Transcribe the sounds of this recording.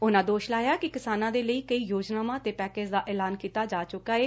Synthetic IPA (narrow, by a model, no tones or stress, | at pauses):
ʊnãːd̪oːʃlaːjaːkɪkɪsaːnãːd̪eːləiːkəiːjoːd͡ʒnaːmãːt̪eːpɛːkeːd͡ʒd̪aːʔɛːlaːnkiːt̪aːd͡ʒaːt͡ʃʊkaːeː